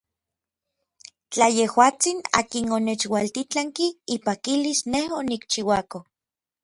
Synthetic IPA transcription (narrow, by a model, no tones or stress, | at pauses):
t͡ɬajehwaːt͡sina̰ːkinonet͡ʃwalt̪it͡ɬaŋkiipakilisnehonikt͡ʃiwako